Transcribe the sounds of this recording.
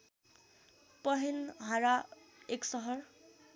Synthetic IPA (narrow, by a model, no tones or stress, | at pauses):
pʌɦenɦaɹa | eksʌɦɔɹ